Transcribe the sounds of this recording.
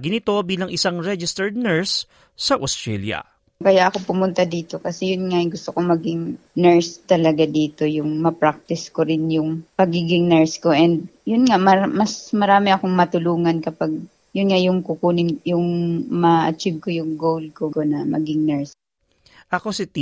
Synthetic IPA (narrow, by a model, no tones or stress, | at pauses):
ɡɪnɪt̪o̞biːlɐŋʔɪsaŋɹɛd͡ʒɪst̪ɛɹd̪̚nɛɹsː | ɐʔost̪ɹɛljɐ̰ | kɐjaʔɐkopʊmʊnt̪ad̪iːt̪o̞kɐsɛjʊnŋaɡʊst̪okomɐɡɪŋ | nɛɹst̪ɐlɐɡad̪iːt̪o̞jʊŋmɐpɾak̚t̪ɪskoɾɪnjʊŋpɐɡiːɡɪŋnɛɹsko̞ʔɛnd̪̚jʊnŋamɐmɐsmɐɾaːmɪʔɐkoŋmɐt̪ʊluːŋɐnkɐpaɡ̚ | jʊnŋajʊŋkʊkuːnɪŋjʊŋmɐʔɐ̰t͡ʃib̚kojʊŋɡowl̚kokonɐmɐ̰ɡɪŋnɛɹs | ʔɐko̞sɪt̪ː